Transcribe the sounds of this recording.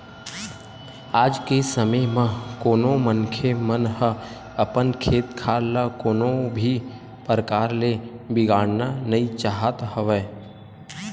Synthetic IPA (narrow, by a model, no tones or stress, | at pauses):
aːd͡ʒkesəməjmə̃koːnõmənkʰemənhə | əpənkʰeːt̪kʰaːlakoːnobʱi | pəɾəkaːɾlebɪɡaːɽnanɐit͡ʃaːɦət̪həʋɛː